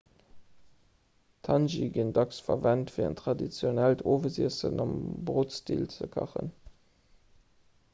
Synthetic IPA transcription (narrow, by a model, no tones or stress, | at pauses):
tʰɑnʒiɡəndɑksfɐvæntfiːə̰ntʁɑdit͡sjonæltʰoːvəziəsənɑmbʁoːtstḭːlt͡səkʰɑ̰χə̰n